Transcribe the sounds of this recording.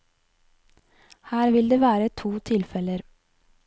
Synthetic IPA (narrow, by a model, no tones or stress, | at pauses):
hæːɾʋɪld̪eːʋæːɾət̪ʰuːt̪ʰɪlfɛləɾ